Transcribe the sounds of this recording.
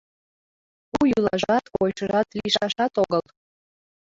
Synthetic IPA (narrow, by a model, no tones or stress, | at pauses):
ujulˠɑʒɑt̪ojʃəɾɑt̪liʃɑʃɑt̪oɣəlˠ